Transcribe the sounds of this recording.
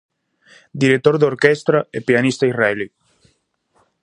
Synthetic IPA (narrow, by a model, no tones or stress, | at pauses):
d̪iɾet̪ːoɾd̪oɾkɛst̪ɾaepianist̪airɛli